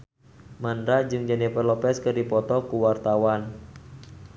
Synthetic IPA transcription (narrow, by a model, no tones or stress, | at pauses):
mandɾad͡ʒɨŋd͡ʒanipərlɔpɛskɨrdipɔt̪ɔkuwart̪awan